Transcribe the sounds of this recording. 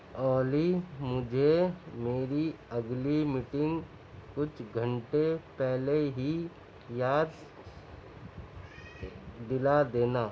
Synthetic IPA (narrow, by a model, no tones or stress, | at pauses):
ɔːlimʊd͡ʒʱemeːɾiɐɡlimɪʈɪ̃ŋɡ | kʊt͡ʃʰɡʱə̃ɳʈepɛɦleɦi | jaːd̪ | d̪ɪlad̪eːnaː